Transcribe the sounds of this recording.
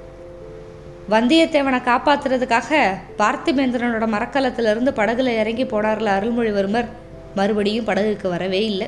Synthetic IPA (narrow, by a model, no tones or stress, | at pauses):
ʋɐnd̪ɪjɐt̪ːeːʋɐɳɐkaːpaːt̪ːɯrɐðɯkːaːɣɐpaːɾt̪imeːnd̪ɪɾɐnɯɽɐmɐɾɐkːɐlɐt̪ːɪlɪɾɯnd̪ɯpɐɽɐɣɯlɐɪɾɐŋɡipoːɽaːɾɐlɐɾɯɭmɔɻɪʋɐɾɯmɐɾ | mɐɾɯbɐɽɪjɯmpɐɽɐɣɯkːɯʋɐɾɐʋeːɪlːɐ